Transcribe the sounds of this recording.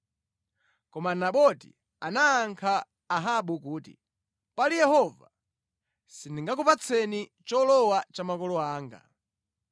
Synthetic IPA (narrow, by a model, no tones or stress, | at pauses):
kɔmanaɓɔtḭ | anaːŋkʰaː | ɦaɓukuːtḭ | palijɛhɔva̰ | siniŋɡakupat͡sʰɛnit͡ʃɔlɔwat͡ʃamakɔlɔaːŋɡa̰